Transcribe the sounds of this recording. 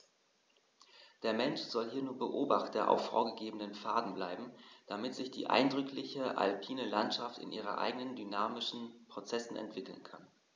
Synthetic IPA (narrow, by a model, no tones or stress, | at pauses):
d̥eːɐmɛnʃz̥ɔlɦiːɐnuːɐbəʔoːbaχtd̥ɐʔa̰ʊfʁ̥o̰ːɡəɡeːbn̩dənfaːdn̩blaɪbm̩d̥amɪtz̥ɪçd̥ḭːʔa̰ɪndʁʏklɪçəʔa̰lpʰiːnəlantʃaftɪ̰nʔiːʁ̞ɐ̰ʔa̰ɪɡənəndynaːmɪʃn̩pʁ̥ot͡sɛsn̩ʔɛ̰ntv̥ɪkl̩nkʰan